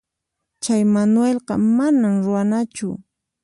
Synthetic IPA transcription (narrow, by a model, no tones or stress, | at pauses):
t͡ʃajmanwelqɑ̰manamɾʊwanat͡ʃʊ